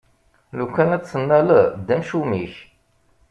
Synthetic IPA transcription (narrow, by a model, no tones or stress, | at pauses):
lukːænæt͡ssənːæld̪ːæmʃumiç